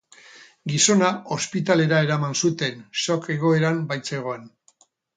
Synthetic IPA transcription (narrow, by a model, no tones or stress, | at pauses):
ɡiso̞nao̞spit̪ale̞ɾae̞ɾamansut̪e̞nso̞ke̞ɣo̞e̞ɾambajt͡se̞ɣ̞o̞en